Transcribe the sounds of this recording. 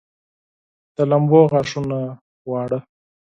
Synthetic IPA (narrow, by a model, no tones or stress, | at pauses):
t̪alɐmboːɣaːʂuna | wɑːɽa